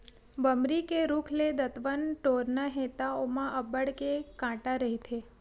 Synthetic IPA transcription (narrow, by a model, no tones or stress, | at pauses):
bəmɾikeɾukʰled̪ət̪ʋənʈoɾnaɦet̪aomãʔəbəɽkekãʈaɾəɦit̪ʰe